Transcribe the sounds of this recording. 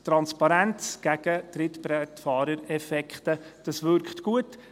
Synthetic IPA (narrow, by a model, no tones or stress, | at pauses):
t̪ɾɑnspɑɾænt͡sɡ̥æɡ̥ətɾɪtpɾɛtfɑːɾəɾɛfɛkχtəd̥ɑsʋʏɾkχtɡ̥uət